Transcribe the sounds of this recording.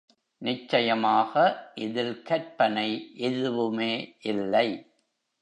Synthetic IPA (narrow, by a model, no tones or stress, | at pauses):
nɪt͡ʃːɐjɐmaːɣɐʔɪðɪlkɐɾpɐnɐɪʔɛðɯʋɯmeːʔɪlːɐɪ